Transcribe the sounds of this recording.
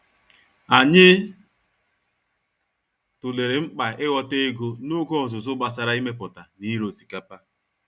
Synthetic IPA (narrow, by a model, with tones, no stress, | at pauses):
a˨ɲɪ˦ | tʊ˨le˨ɾe˨ŋ͡m̩˦k͡pa˨ɪ˦ɣɔ˦te˦ɡo˦nʊ˦ɡo˦ɔ˨zʊ˨zʊ˦ɡ͡ba˨s̬a˦ɾa˦i˦me˦pʊ˨ta˨ni˦ɾo˨si̥˨ka˦pa˦